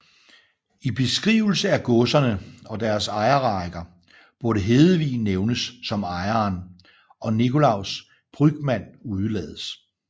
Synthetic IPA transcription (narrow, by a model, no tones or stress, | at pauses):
ib̥e̝sɡ̥ʁiːʊl̩səæɡ̥ɔ̽sɐnəɒ̽d̥æɐsɑ̈ɪɐʁɑ̈ɪɡ̥ɐ | b̥uɐɾəɦe̝ːðˠəʋḭːnːeʊnəsːɒ̽mɑ̈ɪɐːn | ɒ̽nikʰo̝lɑ̈ʊ̰s | b̥ʁyɡ̥mæn̰uð̞ˠəlɛ̰ːð̞ˠəs